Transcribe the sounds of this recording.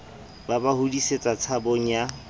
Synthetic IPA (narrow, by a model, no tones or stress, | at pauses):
babahudiset͡sʼat͡sʰaboŋ̩ja